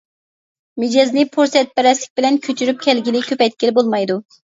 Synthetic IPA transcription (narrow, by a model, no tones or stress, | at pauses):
med͡ʒɛznɪpʰuɾsɛt̪̚bɛɾɛslɪk̚ʲbɪlɛnkʲʰøt͡ʃʰyɾyp̚kʲʰɛlɡʲilɪkʲʰøpɛjt̪̚ʲkʲelɪbolˠmɑjd̪u